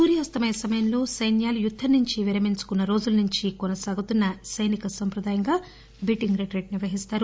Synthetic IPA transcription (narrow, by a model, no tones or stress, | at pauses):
suːɾijaːst̪ɐmɐjɐsɐmɐjɐmlo̞ːsɐjnjaːlujud̪ʱːɐnːuɲt͡ʃiʋiɾɐmiɲsu̥kunːɐɾo̞ːd͡ʒulɐnuɲt͡ʃikɔnɐsaːɡut̪unːɐsɐjnikɐsɐmpɾɐd̪aːjɐŋɡaː | biʈiŋɡɾeʈɾeːʈniɾʋɐɦist̪aːɾu